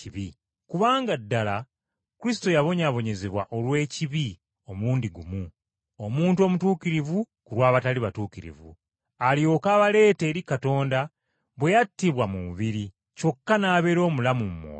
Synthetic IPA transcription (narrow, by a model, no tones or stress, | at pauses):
iβi | kuβaːŋɡadːala | kuɾis̬i̥to̞jaβo̞ɲaβo̞ɲe̞ze̞βwa̰ʔo̞lwe̞ːciβi | o̞muːndiɡumu | o̞muːntuo̞mutuːkiɾivu | kuɾwaːβataliβatuːkiɾḭvṵ | aljo̞ːkaːβale̞ːte̞ːɾikato̞ːnda | βwe̞jatːiβwamuuβiɾi | co̞kːanaːβe̞ɾo̞ːmulamumumo̰ː